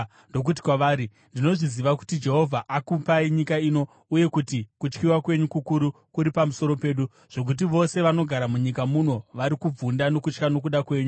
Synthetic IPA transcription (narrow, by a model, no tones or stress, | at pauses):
ndok̬ut̬i̥kwaʋaːɾi | ndino̞ʐiziʋaku̥tid͡ʒe̞ɦo̞vʱaʔakumpaiɲikaiːno̞ | uje̞kutikut͡ʃkiwakwe̞ɲukukuɾukuɾipamuso̞ɾo̞pe̞ːɗu | ʐ̥o̞k̬ut̬iʋo̞se̞ʋano̞ɡʱaɾamuɲikamuno̞ʋaɾikub͡vundano̞kut͡ʃkano̞k̬uɗakwe̞ːɲu